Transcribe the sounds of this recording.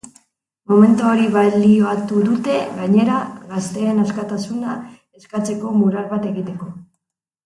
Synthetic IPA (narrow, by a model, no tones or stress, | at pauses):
mo̞me̞nt̪uoɾiβalioat̪uðut̪e̞ɣaɲe̞ɾaɣast̪e̞ːnaskat̪asuna | e̞skat͡se̞ko̞muɾalβat̪e̞ɣit̪e̞ko̞